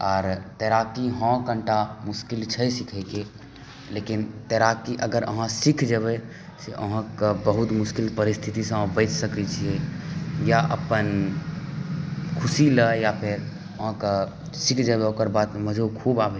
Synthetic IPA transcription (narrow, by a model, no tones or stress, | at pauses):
ɔːɾt̪ɛɾakiɦɔ̃kəɳʈamuskilt͡ʃʰəjsikʰɛɪke | lekint̪ɛɾakiʔəɡəɾʔə̰ɦãsikʰd͡ʒəβɛ | seʔə̰ɦãkəbəɦut̪muskilpəɾist̪ʰit̪isə̃bəɪt͡ʃsəkɛt͡ʃʰiejaʔə̰pən | kʰusiləjapʰeɾ | əɦãkə | sikʰd͡ʒəbɛokəɾbat̪məd͡ʒʱokʰubabʱe